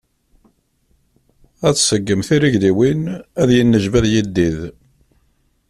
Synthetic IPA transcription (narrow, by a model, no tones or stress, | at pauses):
æθsəɡːəmθiɾiʝðiwinæðjənːəʒvæðjid̪ːið